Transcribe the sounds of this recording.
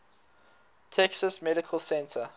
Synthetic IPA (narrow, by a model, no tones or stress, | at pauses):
tʰɛksəsmɛɾɪkʰəlsɛ̃ntʰə